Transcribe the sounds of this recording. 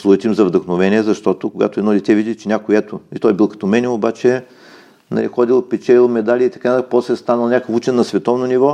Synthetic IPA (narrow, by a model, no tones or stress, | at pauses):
slˠut̪imzɐvd̪ɐxnovɛnʲiɛzɐʃt̪ɔt̪ʊkoɡa̰t̪oɛd̪nɔd̪ʲɛt̪ɛvid̪ʲit͡ʃɛnʲakʊjɛt̪ʊit̪ɔjbilˠkɐ̥t̪omɛnʲɛobat͡ʃɛ | nɐ̰lḭxɔd̪ilˠpɛt͡ʃɛlʲilˠmɛd̪alʲiit̪ɐkanɐt̪apɔslɛst̪anəlˠnʲakəfut͡ʃɛnnɐsvɛt̪ɔvnonʲivɔ